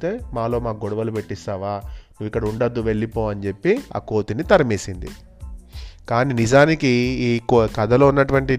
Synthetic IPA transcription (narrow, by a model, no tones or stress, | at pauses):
t̪e̞ːmaːlo̞ːmaːɡɔɽɐʋɐlupe̞ʈːist̪aːʋaːnuʋːikːɐɽɐuɳɖɐd̪ːuʋe̞ɭːipoːɐnt͡ʃe̞pːia̰ːko̞ːt̪init̪ɐɾɐmeːsind̪ḭ | kaːninid͡ʒaːnikikkɐd̪ɐloːunːɐʈuʋɐɳʈi